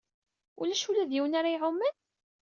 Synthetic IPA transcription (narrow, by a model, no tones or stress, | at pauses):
ʊ̰læʃulæðjiwənaɾajʕʊmːæn